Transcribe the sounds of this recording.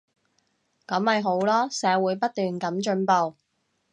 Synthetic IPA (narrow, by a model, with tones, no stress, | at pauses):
kɐ˨˥mhɐ˨jɦo˨˥wlɔː˥sɛː˨˥wuː˨˧˥jpɐ˥t̚t̪yː˨nkɐ˨˥mt͡ʃɵ˨˧˥npo˨˧w